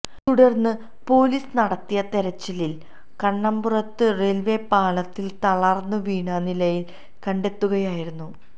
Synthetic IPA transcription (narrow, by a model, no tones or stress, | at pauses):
t̪uɽɐrnːɨ | po̞ːliːsɨnɐɽɐt̪ːijɐt̪e̞ɾɐt͡ɕːɐlil | kɐɳːɐmburɐt̪ːɨre̞lʋe̞paːɭɐt̪ːilt̪ɐɭɐrnːɨʋiːɳɐnilɐjil | kɐɳɖe̞t̪ːuɣɐjaːjiɾunːu